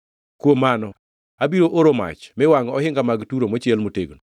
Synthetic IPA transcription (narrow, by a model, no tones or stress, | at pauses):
kwomanɔ | abiɾoʔoɾoma̰t͡ʃmɛwaŋɔhɪŋɡamaɡtuɾomot͡ʃɛlmoteɡno